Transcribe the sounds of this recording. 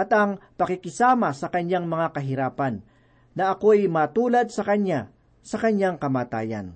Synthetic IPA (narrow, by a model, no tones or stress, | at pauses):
ʔɐt̪ɐŋpɐkɪkɪsaːmɐsɐkɐɲaŋmɐŋakɐɦɪɾaːpɐnː | ɐʔɐko̞ɐjmaːt̪uːlɐd̪̚sɐkɐɲja | sɐkɐɲjaŋkɐmaːt̪a̰ːjɐ̰n